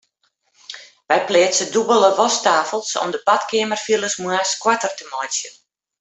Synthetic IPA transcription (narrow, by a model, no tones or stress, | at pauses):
ʋɛjplɪəsədubəlˠəʋɔstaːfəlˠsɔ̰mdəbatkɪəmərfilˠəsmwaskwɔtərtəmɔjsjən